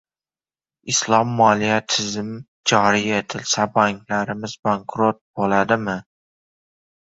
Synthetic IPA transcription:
ɪslˠɒmːɒlijat̪ʰɪzm | d͡ʒɒɾiet̪ʰɪlsabaŋkʰlaɾɪmɪzbaŋkʰɾot̪̚bolad̪ɪmɪ

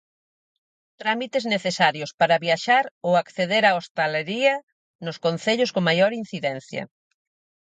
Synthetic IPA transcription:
t̪ɾamit̪ezneθesaɾjospaɾɐβjaʃaɾowakθeðeɾaost̪aleɾiɐ | nʊskon̟θeʎʊskoŋmajoɾin̟θiðɛn̟θjɐ̰

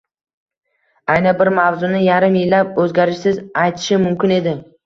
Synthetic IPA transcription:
ajnɪbɪɾmavzʊnɪjaɾɪmjɪlːapɵzɡʲaɾɪʃsɪzajt̪ʰɪ̥ʃɪmʊmkʲɪne̞d̪ɪ

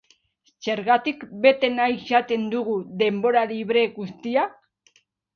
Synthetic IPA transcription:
seɾɣat̪ikbe̞t̪e̞najsat̪e̞nd̪uɣuðe̞mbo̞ɾaliβ̞ɾe̞ɣust̪ia

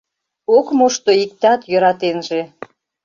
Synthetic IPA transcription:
okmoʃt̪oikt̪ɑt̪jøɾɑt̪enʒe

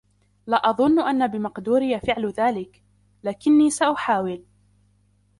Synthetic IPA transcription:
laːʔɑðˤʊnːʔanːabɪmɑqd̪uːɾɪjafɪʕlʊðaːlɪk | laːkɪnːiːsaʔʊħaːwɪl

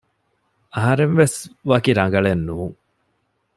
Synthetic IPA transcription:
ɐɦɐɾenʋesʋɐkiɾɐŋɡɐɭenːuːŋ

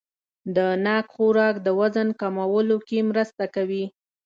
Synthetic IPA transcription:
d̪ənɑkxoɾɑkd̪əwazənkamawəlokemɾəst̪akawi

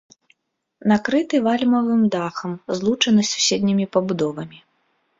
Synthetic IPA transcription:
nakɾɨt̪ɨvalʲmɐvɨmd̪axɐmzlˠut͡ʂɐnɨsʲu̥sʲɛd̪ʲnʲimʲipɐbud̪ɔvɐmʲi

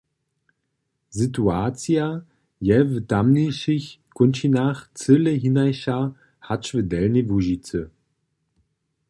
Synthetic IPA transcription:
zituaːt͡sja | jɛvədamniʃɪçkʊnʃinaχt͡sələɦinajʃa | hat͡ʃvədɛlnivuʒit͡sə

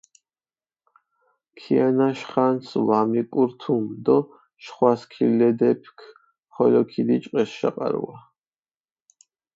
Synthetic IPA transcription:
kʰianaʃχansvamikʼuɾt̪ʰumd̪ɔ | ʃχwaskʰilɛd̪ɛpʰkʰ | mχɔlɔkʰid̪it͡ʃʼqʼɛsʃa̰qʼa̰ɾṵa

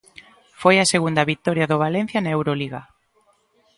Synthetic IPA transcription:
fojaseɣund̪ɐβit̪ɔɾjaðoβ̞alẽn̟θjanaewɾoliɣa

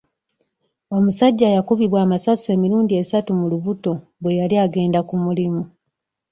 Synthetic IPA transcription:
o̞musaɟːaːjakuβiβwaːmasase̞ːmiɾuːndie̞satumuluβuto̞ | βwe̞jaliaɡe̞ːndakumulimu

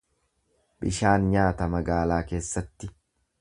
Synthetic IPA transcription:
bɪʃaːnɲaːt̪ɐmɐɡaːlaːke̞ːsːɐt̪ːɪ

